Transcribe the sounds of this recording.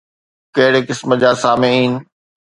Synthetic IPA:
kɐɦɪɽekɪsməd͡ʑaːsaːmeiːnɪ̆

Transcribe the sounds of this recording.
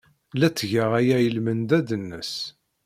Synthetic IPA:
læt͡sːʝəʁæjæjəlmənd̪æd̪ənːə̰s

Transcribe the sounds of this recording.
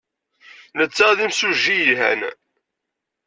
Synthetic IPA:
nət͡sːæðimsuʒːijɦæ̰n

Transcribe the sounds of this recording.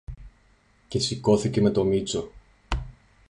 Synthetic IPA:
ce̞siko̞θice̞me̞t̪o̞mit͡so̞

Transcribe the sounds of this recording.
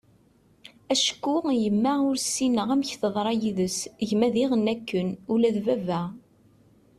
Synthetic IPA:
æʃə̥kːujəmːæʁʊɾsːinəʁæmçθəðˤɾˤɑjiðəsəʝmæðiʁənækːənulæðvævæ

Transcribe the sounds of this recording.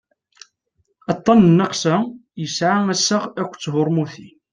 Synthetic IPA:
ɑt̪ˤːɑnnːɑqsæjəsʕaæsːəʁækʷːt͡sːɦʊɾˤmuθi

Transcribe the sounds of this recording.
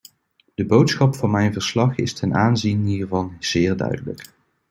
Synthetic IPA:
d̥əbowtsχɑpfɑnmɛjnvəɹslɑχɪ̰stʰɛnaːnzinɦiːɹvɑnz̥ɪːɹdœ̰ɥdələ̰k

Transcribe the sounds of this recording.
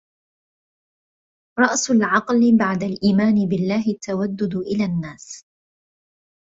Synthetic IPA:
ɾˤɑʔsʊlʕɑqlɪbaʕd̪alʔiːmaːnɪbɪlːaːɦɪt̪ːawad̪ːʊd̪ʔɪlaːnːaːs

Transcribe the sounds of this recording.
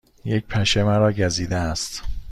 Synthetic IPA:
jec̚pʰæʃemæɾɒːɟæziːd̪æːst̪

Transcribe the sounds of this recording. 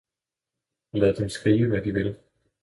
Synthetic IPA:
læðˠd̥emsɡ̥ʁiːʋəʋæd̥iʋe̝l

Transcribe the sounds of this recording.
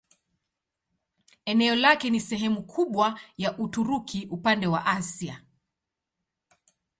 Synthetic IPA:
ɛnɛɔlakɛnisɛɦɛmukʰuɓwajaʔutuɾukʰiʔupandɛwa̰ʔasia

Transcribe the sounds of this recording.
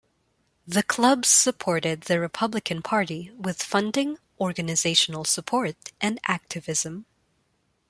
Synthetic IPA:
ðɨkʰl̥ʌbz̥sɨpʰɔɹɾɪd̪̚ðɨɹɨpʰʌblɨkʰɨ̃npʰɑɹɾiwɪð̥fʌ̃ndɪ̃ŋ | ɔɹɡɨnɨzeɪʃn̩l̩ˠsəpʰɔɹɾʔɨ̃næk̚tʰɨvɪzɨ̃m

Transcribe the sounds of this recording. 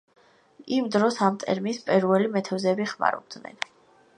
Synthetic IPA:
imd̪ɾɔsamt̪ʼɛ̰ɾmispʼiɾuɛlimɛt̪ʰɛvzɛbiχma̰ɾɔ̰b̚d̪nɛ̰n

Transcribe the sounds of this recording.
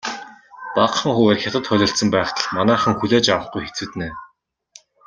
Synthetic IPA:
paqχə̆ŋxuweːrxʲat̪ə̆t̪χœɮʲɞ̆ɬt̪sə̆mpæːχt̪ə̆ɮmanæːχə̆ŋxuɮeːt͡ɕawə̆χɡujxet͡suːt̪neː

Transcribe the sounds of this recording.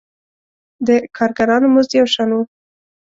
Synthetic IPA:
d̪əkʰɑɾɡaɾɑnomʊzd̪jawʃɑnwu

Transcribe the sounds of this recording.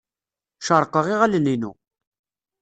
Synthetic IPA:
ʃəɾˤqəʁiʁæləninṵ

